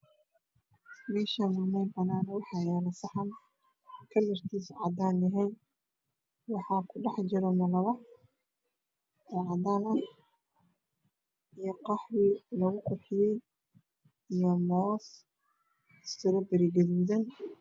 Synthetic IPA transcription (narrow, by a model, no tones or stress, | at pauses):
mɛːʃaːnʊmɛjbɐnaːnwɑħɑjɛːlɐsɑħɑm | kʰɐlɐrt̪ʰiːsʕɑd̪aːnɛɦɛn | wɑħɑːkʰʊɖɑħd͡ʒɪɾɛmɐlɐβɐ | ɛʕɑd̪aːnɐ | ijɔqɑħwilɐɣʊqʊħɪjɛj | ijɔmɔːs | sɪɾɔbɐɾiɡɐðuːðɐn